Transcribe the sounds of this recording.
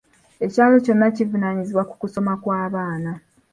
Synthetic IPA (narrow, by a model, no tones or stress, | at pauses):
e̞caːlo̞co̞nːacivunaːɲiziβwaku̥kuso̞makwaːβaːna